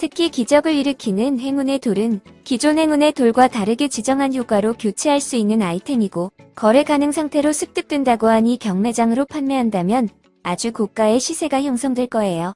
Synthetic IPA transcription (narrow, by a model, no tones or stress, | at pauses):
tʰɯkʰikid͡ʑʌɡɯɭiɾɯkʰinɯnhe̞ŋune̞toɾɯnkid͡ʑonɦe̞ŋune̞toɭɡwataɾɯɡet͡ɕid͡ʑʌŋɦanjoɡwaɾokjot͡ɕʰiɦaɭs͈uinːɯnaitʰe̞ŋiɡokʌɾe̞ɡanɯŋsʰaŋtʰe̞ɾosʰɯk̚t͈ɯk̚t͈wendaɡoɦaɲikjʌŋme̞d͡ʑaŋɯɾopʰanmeɦandamjʌn | ad͡ʑukok̚k͈ae̞ɕʰisʰe̞ɡajoŋsʰʌŋdweɭk͈ʌejo